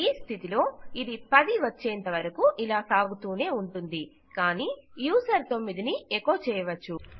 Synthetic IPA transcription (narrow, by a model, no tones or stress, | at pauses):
iːst̪ʰit̪ilo̞ːid̪ipɐd̪iʋɐt͡ʃːɛːnt̪ɐʋɐɾɐkuʔilaːsaːɡut̪uːne̞ːuɳʈund̪i | kaːniːjuːsɐɾt̪o̞mːid̪iniɛkoːt͡ʃɛːjɐʋɐt͡ʃːu